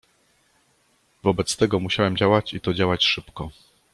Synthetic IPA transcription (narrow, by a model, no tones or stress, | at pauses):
vɔbɛt̪st̪ɛɡɔmuɕawɛmd͡ʑawat͡ɕit̪ɔd͡ʑawat͡ɕʂɘpkɔ